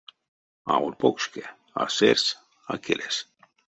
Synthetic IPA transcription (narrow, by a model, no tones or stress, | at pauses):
a̰ulpokske | a̰seɾs | akʰeles